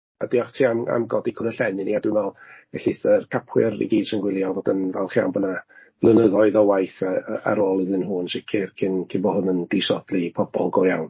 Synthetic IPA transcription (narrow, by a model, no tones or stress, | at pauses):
a̰diɔχtʰiːama̰mɡɔdikʰʊnəɬɛnɨniadɪnɔlˠɛɬiθərkʰapʰwɪ̰rḭɡiːdʃənɡwɪlˠjɔvodənvɛlˠχia̰wnbənavlˠənəðɔɨðɔwajθaa̰ɾoːlˠiðɨnɦuːnʃɪkʰɪrkʰɪnkʰɪbɔhʊnəndiʃɔd̥lˠipʰɔbɔ̰lˠɡɔjawn